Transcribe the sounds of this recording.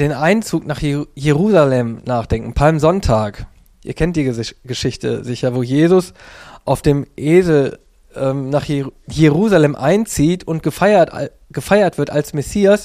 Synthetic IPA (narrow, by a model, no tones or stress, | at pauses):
d̥eːnʔaɪnt͡suːknaːχjeʁuːzalɛmnaːχd̥ɛŋkŋ̩pʰalmzɔntʰaːk | ʔiːɐkʰɛnt̚d̥iːɡəʃɪçtə̰zɪçɐvoːjeːzʊsʔaʊfd̥eːmʔeːzl̩ | ʔɛːmnaːχjeʁuːzalɛmʔaɪnt͡siːtʰʊntɡ̥əɐ̰ | ɡ̥əfaɪɐtv̥ɪɐtalsmɛsiːas